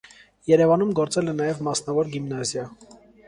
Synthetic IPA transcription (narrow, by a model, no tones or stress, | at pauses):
jɛɾɛvɑnumɡɔɾt͡sɛlɛnɑjɛvmɑsnɑvɔɾɡimnɑzjɑ